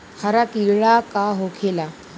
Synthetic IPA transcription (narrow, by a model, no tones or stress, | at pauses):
kʰaɾakiɭakaɦokʰela